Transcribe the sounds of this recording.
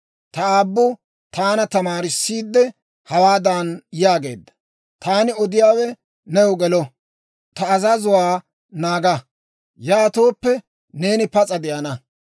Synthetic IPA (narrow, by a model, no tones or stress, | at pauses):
t̪ɐaːbːʊ | t̪aːnɐt̪ɐmaːɾɪsːiːd̪ːɛ | hɐwaːd̪aːnjaːɡe̞̰ːd̪ːɐ̥ | t̪aːnɪɔd̪ɪjaːwɛ | nɛjɔɡɛlɔ | t̪ɐːzɐzʊwaː | naːɡɐ | jaːt̪o̞ːpːɛ | ne̞ːnɪpɐt͡sʼɐd̪ɪjɐnɐ